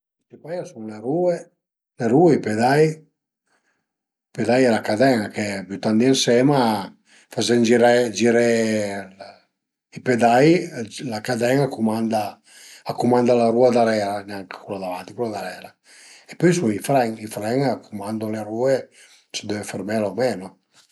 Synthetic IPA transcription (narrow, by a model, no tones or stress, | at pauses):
t̪ipajasuŋleɾuːe | leɾuːeiped̪aj | ped̪ajɛlakad̪ɛŋakebut̪and̪iansɛma | fazɛnd͡ʒiɾɛd͡ʒiɾɛ | iped̪ajlakad̪ɛŋakumand̪aː | kumand̪alaɾuad̪aɾɛlanɛaŋkkulad̪avant̪ikulad̪aɾɛːla | epɔjsuŋifɾɛŋifɾɛŋakʰumand̪oleɾuːe | t͡ʃid̪ɛefermɛlamɛno